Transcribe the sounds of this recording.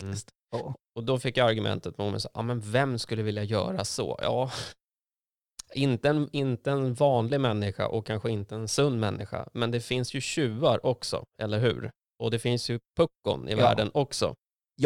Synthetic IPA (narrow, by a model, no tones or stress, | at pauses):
st̪ː | ɔd̪ɔfɪkːjaaɾɡɵmʔɛ̰nt̪ət̪̚mɔmɛ̰sɑːʔɑːmɛnvɛmskɵlːəvɪljajœ̰ːɾasɔ̰jɑ̰ː | ɪnt̪əɛnɪnt̪əɛnvɑːnlɪɡmɛnːɪɧa̰ʔɔkʰːanɧəɪnt̪əːnsɵnːmɛnːʔɪɧa̰mɛnd̪ɛfɪnsjɵɕʉ̟ːaɾʔɔksɔ̰ɛlːəɾɦʉ̟̰ːɾ | ʔɔd̪ɛfɪnsjɵpʰɵkːʊ̰nɪ̰væ̰ːɖənɔksɔ̰